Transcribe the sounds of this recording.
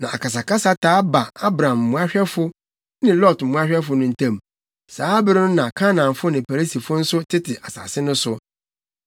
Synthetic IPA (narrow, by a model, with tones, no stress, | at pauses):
nã˨ʔa̰˨ka˨s̬a˨kʰa˦sa˦tʰaː˨˦ba˨a˦bɾã˨m̩˨mũ˦a˦ɕᶣɛ˦fʊ˦ | nɪ̃˦lɔ˦˨tm̩˨mũ˦a˦ɕᶣɛ˦fʊ˨nʊ̃˦n̩˨tʰã˦m | saː˨˦bɪ˦ɾɪ˦nʊ̃˦nã˨kʰa˦nã˨n˨fʊ˦nɪ̃˨pʰa˨ɾi˦si˨fʊ˦n̩˦sʊ˦tʰɪ˦tʰɪ˨ʔa˨sa̰˨sɪ˦nʊ̃˦sʊ˦